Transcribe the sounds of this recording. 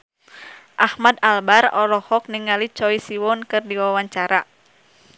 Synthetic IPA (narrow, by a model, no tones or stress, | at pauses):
ʔahmadalbarɔlɔhɔk̚niŋalit͡ʃɔisiwɔnkɨrdiwawaɲt͡ʃaɾa